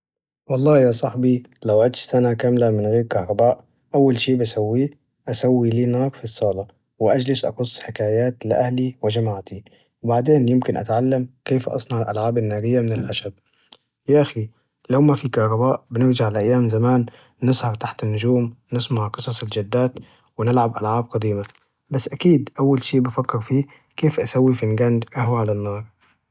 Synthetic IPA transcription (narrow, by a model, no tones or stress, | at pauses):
wɑlˤːɑːjaːsˤɑħbilawʕɪd̪ʃsanakamlamɪnɣeːɾkɑhɾˤɑbaːʔ | ʔawːalʃiːbasawːiː | ʔasawːiliːnɑːɾˤfisˤːɑːlɑ | wɪʔad͡ʒlɪʃʔɑ̰qʊsˤːħɪkaːjaːt̪lɪʔahliwɪd͡ʒamaʕt̪i | wbaʕd̪eːnjɪmkɪnʔa̰t̪ʕalːamkeːfʔɑ̰sˤnɑʕɪlʔa̰lʕaːbanːaːɾɪjːamɪnɪlħaʃab̚ | jaʔaxi | lawmafikɑhɾˤɑbaːʔbɪnɪɾd͡ʒaʕalʔajːaːmzamaːnː | ɪshɑɾˤt̪aħt̪ɪnːʊʒuːmnɪsmaʕqɨsˤɑsˤɪld͡ʒad̪ːaːt̪ | wɪnɪlʕabʔalʕaːb̚qɑd̪iːma | basːʔakiːd̪ʔawːalʃiːʔbafakːɪɾfiː | keːfʔasawːifɪnɡand̪ʔahwʕalanːɑːɾˤ